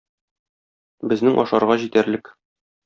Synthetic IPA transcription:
bɘ̆znɘŋʔɒ̰ʃɑɾʁɑʑit̪æɾlɘk

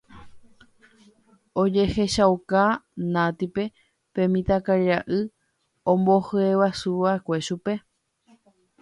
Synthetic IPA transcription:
od͡ʒe̞he̞ʃawkanãt̪ipe̞ | pẽ̞mĩt̪akaɾiɾaʔɨ | õmbohɨeʋasuʋaekʷe̞ʃupe̞

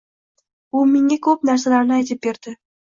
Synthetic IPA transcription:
ʊmeŋakʰɵp̚naɾsalaɾnɪajt̪ʰɪp̚be̞ɾd̪̥ɪ

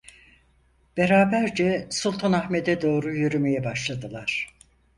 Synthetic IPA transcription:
b̥eɾaːbæɾd͡ʒɛsulˠt̪ʰanahme̞d̪ɛd̪o̞ːɾujyɾymejɛbaʃlˠad̪ɯlˠaɾ̥

